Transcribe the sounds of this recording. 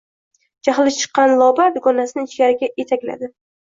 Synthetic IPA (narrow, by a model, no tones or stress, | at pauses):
d͡ʒaχlɪʃt͡ʃʰɨ̥qːɑnlˠɒbad̪ʊɡɒnasɪnɪŋɪt͡ʃɡʲaɾɪɡʲaʔe̞t̪ʰakʲla̰d̪ɪ